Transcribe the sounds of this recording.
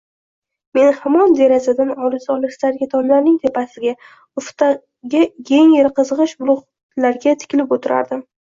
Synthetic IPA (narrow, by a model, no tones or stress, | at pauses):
me̞nhamɒnd̪e̞ɾazad̪anɒlˠɪzɒlˠɪʃlaɾɡʲat̪ʰɒnlaɾnɪŋt̪ʰe̞pasɪɡʲa | ʊft̪ʰa | ɡʲajeŋjeɾqɨzʁɨʃbʊlˠʊʁ | laɾɡʲat̪ʰɪ̥kʲɪlɪpot̪ʰɪɾa̰ɾd̪ɪm